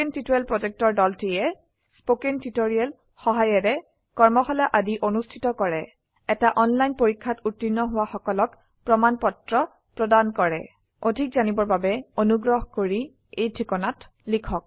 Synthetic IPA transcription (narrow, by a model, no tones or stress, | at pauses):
intitoɹɛlpɹɔzɛk̚tɔɹdɔltijɛ | spokentitoɹiɛl | xɔɦajɛɹɛ | kɔɹmɔxɔlaʔadiʔonustʰitɔkɔɹɛ | ɛtaʔɔnlajnpoɹikʰːatutːinːɔɦʊwaxɔkɔlɔk | pɹɔmanpɔtɹɔ | pɹɔdankɔɹɛ̰ | odʱikzanibɔɹbabɛonuɡɹɔɦkoɹi | ejtʰɹikɔnat | likʰɔk̚